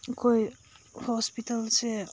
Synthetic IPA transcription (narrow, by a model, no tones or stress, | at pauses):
koj | hɔspitalsɛ